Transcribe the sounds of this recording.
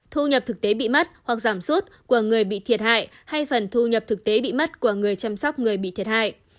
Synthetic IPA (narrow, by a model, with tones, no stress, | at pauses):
t̪ʰu˧ɲə˨˩p̚t̪ʰɨ˨˩k̚t̪e˨˦ɓḭ˧˨mə˦˥t̚hwa˨˩k̚zaː˧˩msu˦˥t̚ku˧˩əŋɨ˨˩əjɓḭ˧˨t̪ʰi˨˩ət̚ha̰ː˧˨j | ha˧jfə˨˩nt̪ʰu˧ɲə˨˩p̚t̪ʰɨ˨˩k̚t̪e˨˦ɓḭ˧˨mə˦˥t̚ku˧˩əŋɨ˨˩əjt͡ɕa˧msa˦˥wk͡p̚ŋɨ˨˩əjɓḭ˧˨t̪ʰi˨˩ət̚ha̰ː˧˨jʔ